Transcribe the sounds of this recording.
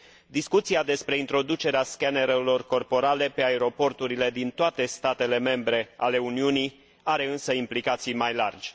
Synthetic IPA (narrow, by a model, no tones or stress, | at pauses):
d̪iskut̪siad̪e̞spɾe̞int̪ɾo̞d̪ut͡ʃe̞ɾeaskane̞ɾelo̞rko̞rpo̞ɾale̞pe̞aeɾo̞po̞rt̪uɾile̞d̪int̪oat̪e̞st̪at̪e̞le̞me̞mbɾe̞ale̞uniunij | aɾe̞ɨnsəimplikat̪sijmajlard͡ʒʲ